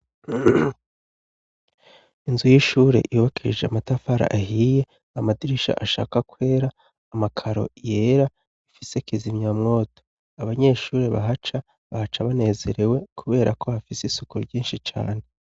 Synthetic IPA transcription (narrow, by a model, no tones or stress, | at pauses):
inzujiʃuːɾe̞̰ʔijuβakiid͡ʒeamatafaɾa̰ʔahije̞ | amadiɾiʃa̰ʔaʃa̰ːkakwe̞ːɾaː | makʰaɾo̞̰je̞ːɾa | ifisekizimɲaːmŋo̞ːto̥ | aβaɲe̞ʃuːɾe̞βa̰ɦat͡ʃa | βahat͡ʃaβane̞ːze̞ɾe̞we̞kʰuβe̞ːɾakʰo̞hafisisukuɾɟiːnʃit͡ʃa̰ːne̞